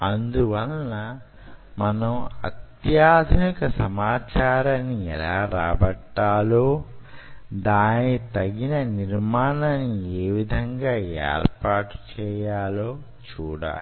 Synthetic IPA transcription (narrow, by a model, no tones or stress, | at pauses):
ɐnd̪uʋɐlːɐ | mɐnɐmɐ̰t̪jaːd̪ʱnikɐsɐmaːt͡ʃaːɾɐnːiɛ̰laːɾaːbɐʈːaːloː | d̪aːnit̪ɐɡinɐniɾmaːnanːieːʋid̪ʱɐŋɡaːɛ̰ːɾpaːʈt͡ʃɛːjaːlo̞ː | t͡ʃuːɽa̰ːli